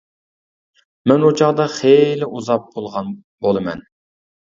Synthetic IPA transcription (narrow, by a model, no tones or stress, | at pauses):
mɛnot͡ʃʰɑʁd̪ɑχelɪʔuzɑp̚bolˠʁɑn | bolˠɨmɛ̰n